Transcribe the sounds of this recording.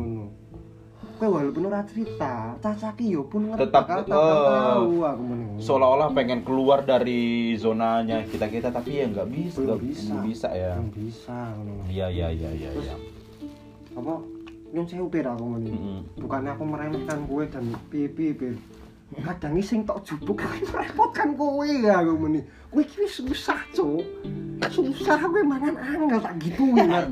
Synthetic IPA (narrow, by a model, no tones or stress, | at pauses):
ən | kawaɦlupʊnuɾat͡ʃəɾit̪at͡ʃat͡ʃakijɔpʊnŋəət̪apkaəaauakumənsəolaolahpeŋɛnkəluardaɾizonaɲakit̪akəit̪at̪apijaŋɡaʔbisaɡaisabisa̰jabisakənujajaja̰ja̰ʊa̰ | apɔ | jɔŋsɛhup̪eɾakɔmənib̥ṳkanːiapɔməɾamɔt̪̚kankued̪̥anpepipe | kad̥a̤ŋisɪŋt̪ɔʔd̥ʒ̥ṳb̥ʊkalməɾemɔt̪̚kankuwejakoməni | kuwekiwisulusat͡ʃo | sulusaɾakuwemaŋanaŋɡəlt̪aɡit̪uman